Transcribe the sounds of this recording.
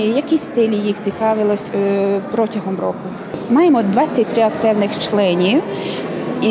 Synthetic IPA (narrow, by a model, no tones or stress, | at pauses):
jɐkʲisʲst̪ɪlʲijixt͡sʲikɑʋɪlˠɔsʲpɾɔtʲɐɦɔmrɔkʊ | mɑjɪmɔd̪ʋɑt͡sʲːɐt̚ʲt̪ɾɪɐkt̪ɛwnɪxt͡ʃlˠɛnʲiw | i